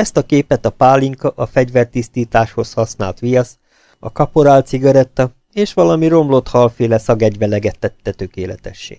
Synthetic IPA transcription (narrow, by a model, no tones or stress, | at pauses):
ɛst̪ɒkeːpɛt̪ɒpaːliŋkɒʔɒfɛɟʋɛrt̪ist̪iːt̪aːʃho̞shɒsna̰ːlt̪ʋijɒs | ɒkɒpoɾaːlt̪siɡɒɾɛt̪ːɒ | eːʃʋɒlɒmiɾo̞mlo̞t̪hɒlfeːlɛsɒɡɛɟʋɛlɛɡɛt̪ːɛt̪ːɛt̪ø̞keːlɛt̪ɛʃːḛː